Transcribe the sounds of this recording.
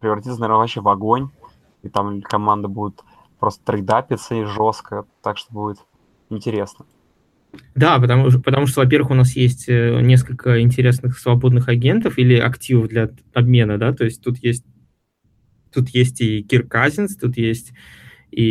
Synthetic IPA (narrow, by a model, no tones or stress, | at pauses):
pɾʲɪvɾɐtʲit̪sənɐvʲeɾnəvɐpɕevɐɡonʲ | it̪amkɐmand̪əbudʲɪt̪ | pɾo̞st̪ə̥t̪ɾɨd̪apʲɪt̪səiʐo̞st̪kət̪akʂt̪obudʲɪt̪ | ɪnʲtʲɪɾʲe̞snə | d̪apət̪ɐmupət̪ɐmuʂ̬t̪ovɐp̬ʲe̞rvəxʊnasjes̬ʲtʲənʲe̞s̬kəlʲkʰəɪnʲtʲɪɾʲe̞snɨxsvɐbo̞d̪nɨxɐɡʲe̞nt̪əfilʲɪʔɐ̰ktʲivəvd̪lʲɐ | ɐbmʲe̞nəd̪at̪o̞ɪsʲt̚ʲt̪ut̪jesʲt̚ʲ | t̪ut̪jesʲtʲiɡʲɪrkazʲɪnst̪ut̪jesʲtʲ | i